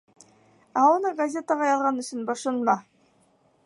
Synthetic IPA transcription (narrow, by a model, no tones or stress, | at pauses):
æunɤɡɐzʲet̪əʁɑjɑlˠʁɑnɵ̆sɵnbɑʃɤnmɑ